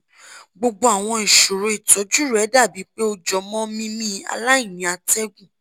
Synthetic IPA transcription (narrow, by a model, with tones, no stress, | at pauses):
ɡ͡bo˧ɡ͡bo˧˦a˨w̃ɔ̃˧ĩ˨ʃo˨ɾo˨˦i˨tɔ˨˦d͡ʒu˦˨ɾɛ˨˦da˦˨bi˨˦k͡pe˦o˧d͡ʒɔ˨mɔ̃˦mĩ˦mĩ˦a̰˧la˦i˦˨ĩ˨˦a˧tɛ˦ɡũ˦˨